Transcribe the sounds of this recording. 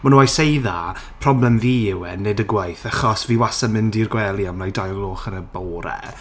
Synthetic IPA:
manuajsejða | pʰrɔblɛmviːɪwɛnːɨdəɡwajθaχɔsviːwasamɪndirɡwɛlˠiamlajdajɡlˠoχənəbowɾɛ̰

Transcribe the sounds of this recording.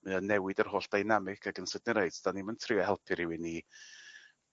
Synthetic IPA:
mɨɔnɛwɪdərhoːɬd̥ajnamɪkʰaɡənsədnɪɾejdsd̥animəntʰrɪɔhɛlˠpʰɨɾɪwɪni

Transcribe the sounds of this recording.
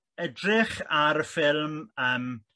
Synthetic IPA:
ɛdrɪχaɾəfɪlˠməːm

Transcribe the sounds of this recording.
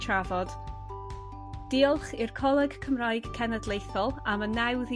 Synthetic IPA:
tʰravɔd̥ | d̥iːɔlˠχɪrkʰɔlˠɛɡkʰəmraːjɡ̥kʰːɛnədlˠejθɔlˠamənːɛwð

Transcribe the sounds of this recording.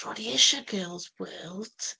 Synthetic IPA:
ɔɾiɪʃəɡɜːlˠzwɜːlˠd̥

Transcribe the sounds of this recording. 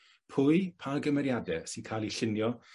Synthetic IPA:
pʰʊɨpʰaɡəmɛɾjadɛsinkʰaːlˠiɬɪnjɔ

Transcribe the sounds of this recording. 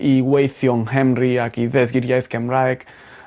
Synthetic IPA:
iwejθjɔŋhɛmɾiakiðɛs̬ɡiɾjajθkɛmɾajk

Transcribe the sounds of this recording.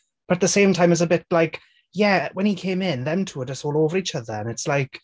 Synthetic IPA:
b̥ət̪̚ðəsẽɪ̃mtʰãɪ̃mɪzəbɪtlaɪk | jɛwɛ̃nikʰẽɪ̃mɪ̃nðɛ̃mtʰuədəsoːlˠovəɹit͡ʃəðəə̃nɪtslaɪk

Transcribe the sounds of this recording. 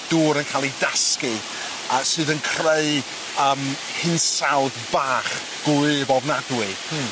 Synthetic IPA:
d̥uːɾənkʰaːlˠidaskɨ | asɨːðənkʰreɨ | əːm | hɪnsawðbaːχ | ɡ̥ʊɨvɔvnadwɨ

